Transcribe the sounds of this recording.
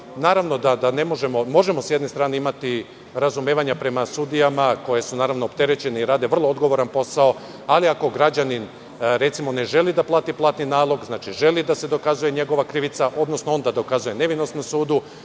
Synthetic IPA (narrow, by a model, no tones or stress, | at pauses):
naːɾaʋno̞d̪ad̪ane̞mo̞ʒe̞mo̞mo̞ʒe̞mo̞sjed̪ne̞st̪ɾaːneimat̪i | ɾazumjeːʋaɲapɾe̞masud̪ijamako̞je̞sunaːɾaʋnoːpt̪e̞ɾet͡ɕe̞neiɾaːd̪e̞ʋər̩lˠo̞od̪ɡo̞ʋo̞ɾanpo̞sao̞ | aliako̞ɡɾad͡ʑanin | ɾe̞t̪simo̞ne̞ʒe̞lid̪aplˠaːt̪iplˠaːt̪ninaːlˠo̞ɡznaːt͡ʃiʒe̞lid̪ase̞d̪o̞kazuje̞ɲe̞ɡo̞ʋakɾiʋit̪saʔo̞d̪no̞snoo̞nd̪ad̪o̞kazuje̞ne̞ʋino̞snomsuːd̪u